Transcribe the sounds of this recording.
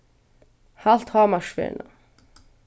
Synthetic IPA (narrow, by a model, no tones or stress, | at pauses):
hal̥t̪haːmaʃfɛ̰ːna̰